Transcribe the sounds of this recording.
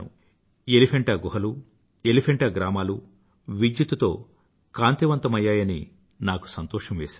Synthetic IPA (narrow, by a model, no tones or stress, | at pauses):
ṵ | elipʰeɳʈɐːɡuɦɐlu | elipʰeɳʈɐɡɾaːmaːlu | ʋid͡ʒjut̪ut̪o̞̰ː | kaːnt̪iʋɐnt̪ɐmɐjːaːjɐnḭ | naːku̥sɐnt̪ɔːʂɐmʋeːsaː